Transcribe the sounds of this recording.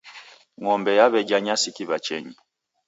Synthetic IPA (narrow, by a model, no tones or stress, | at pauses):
ŋɔmbɛjaβɛd͡ʒaɲasikiβat͡ʃɛɲi